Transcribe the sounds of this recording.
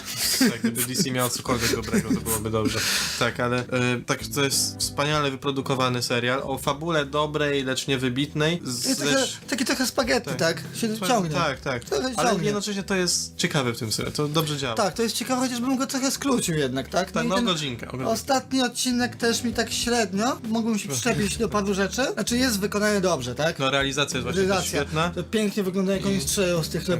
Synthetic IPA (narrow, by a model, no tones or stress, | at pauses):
aɡɛbɘd̪isʲimʲjawɔt̪sɔkɔlvʲjɛɡ̪d̪ɔbɾɛɡɔt̪ɔbɨwɔbɘd̪ɔbʐɛt̪akalɛt̪aɡʐt̪ɔjɛst̪fspaɲalɛvɘpɾɔd̪ukɔvanɘsɛɾʲjalʔɔ̰fabulɛd̪ɔbɾɛjlɛt͡ʂɲɛvɘbʲit̪nɛjjɛsɛt̪akʲit̪ɾɔxɛspaɡɛt̪ɘt̪akɕɛsɔŋɡɲɛakt̪ak̪ɾɔxɛalɛɡjɛd̪nɔt͡ʂɛɕɲɛt̪ɔjɛst̪t͡ɕɛkavɛft̪ɘmsɛ̰ɛ̰t̪ɔd̪ɔbʐɛd͡ʑawat̪akt̪ɔjɛs̚t͡ɕɛkavɛxɔt͡ɕaʐbɘmɡɔt̪ɾɔxɛskɾut͡ɕiwjɛd̪nakt̪aknainɛɡɔiŋka̰ɔ̰ɡɔst̪at̪ɲiɔt̪̚t͡ɕinɛkt̪ɛʂmʲit̪akɕɾɛd̪ɲɔmuɡbɘmɕɛpʂʂɛpʲit͡ɕd͡ʑd̪ɔpaɾuʐɛt͡ʂɘnat͡ʂɘjɛst̪vɘkɔnaɲɛd̪ɔbʐɛt̪aknɔɾɛalʲizat̪sʲjajsvɾaizat̪sʲjaaɛt̪nat̪ɔpʲjɛŋkɲɛvɘɡlɔnd̪ajɛkɔ̃ɲstʂɛjɔst̪ɘxt̪ɛ